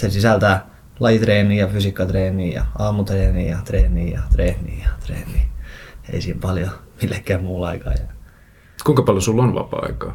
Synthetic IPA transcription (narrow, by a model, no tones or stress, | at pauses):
sesisælt̪æ | lɑjit̪reːniːjɑfysikːɑt̪reːniːjɑ̰ɑːmut̪reːniːjɑt̪reːniːjɑ̰t̪reːnḭːjɑ̥t̪rḛːniːḛisiːmpɑljomilːekːæːmmuːlɑikɑ̰ːjɑ | kuiŋkɑpɑljosulːonʋɑ̰pɑ̰ːɑ̰ikɑː